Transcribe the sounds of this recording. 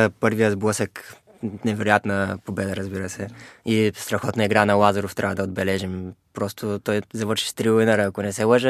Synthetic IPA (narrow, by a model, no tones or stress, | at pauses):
pɤɾvijəzblˠɤsək | nɛvɛɾojat̪nəpobɛd̪əɾəzbiɾəsɛist̪ɾɐxɔt̪nɐiɡɾanɐlˠazɐɾoft̪ɾʲavəd̪ɐod̪̚bɛlɛʒimpɾɔst̪ʰot̪ɔjzɐvɤɾʃi̥ʃt̪ɾiinəɾəːkonɛsɛlˠəʒə